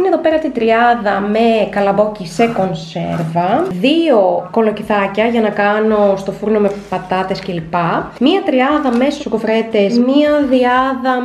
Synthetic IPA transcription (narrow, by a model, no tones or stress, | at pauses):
ineðo̞peɾɐt̪it̪ɾiɐðɐmekɐlɐbo̞cise̞ko̞nse̞̰ɾvɐðio̞ko̞lociθɐcɐʝɐnɐkɐno̞st̪o̞fuɾno̞me̞pɐt̪ɐt̪e̞scelipɐmiɐt̪ɾiɐðɐmesusokofɾe̞t̪e̞zmiɐðiɐðɐ